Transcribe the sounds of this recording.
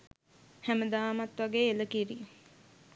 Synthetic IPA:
hæməd̪aːmat̪ʋaɡeːeləkiɾi

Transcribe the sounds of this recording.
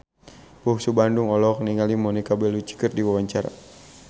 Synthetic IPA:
busubanduŋɔlɔk̚niŋalimɔnikabɛlut͡ʃi̥kərdiwawaɲt͡ʃaɾa̰

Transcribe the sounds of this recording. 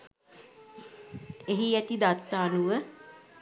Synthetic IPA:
eɦiæt̪id̪at̪ːaːnuʋə

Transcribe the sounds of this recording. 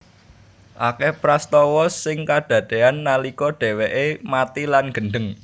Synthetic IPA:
ʔakɛhpɾast̪ɔwɔsɪŋkad̪̥ä̤d̪̥e̤anːalikɔɖ̪̥e̤weʔemat̪ilanɡ̥ə̤nɖəŋ

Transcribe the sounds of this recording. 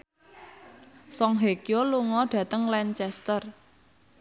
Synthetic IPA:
sɔŋɦekjoluŋɔɖ̥ä̤t̪əŋlɛɲt͡ʃɛst̪ər

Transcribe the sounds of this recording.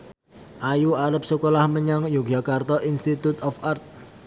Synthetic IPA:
ʔajuaɾəp̚səkolahməɲaŋjuɡ̥akart̪ɔʔinst̪it̪ut̪ɔfart̪̚

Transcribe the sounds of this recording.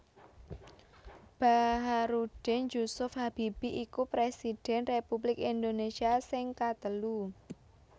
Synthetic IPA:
b̥aɦaɾud̥ɛnd͡ʒusʊfhab̥ib̥iʔikupɾesid̥ɛ̤nrepublɪkind̪onesiasɪŋkat̪əlu

